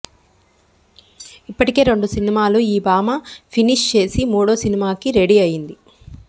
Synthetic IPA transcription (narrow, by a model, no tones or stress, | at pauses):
ipːɐʈike̞ːɾeɳɖusinimaːluiːbaːmɐpʰiniʂt͡ʃe̞ːsimuːɽoːsinimaːkiɾe̞ɽiɐjind̪i